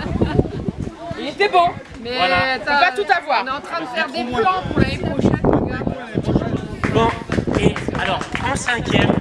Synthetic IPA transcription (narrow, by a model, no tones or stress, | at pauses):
t̪ɛbɔ̃ | mɛalyvat̪ut̪avwaːʁnɛɑ̃t̪χɛ̃d̪əfɛʁd̪eplɑ̃puʁlaepχɔʃɛ̰ɡã | bɔ̃ealɔʁɑ̃sɛ̃kʲjɛm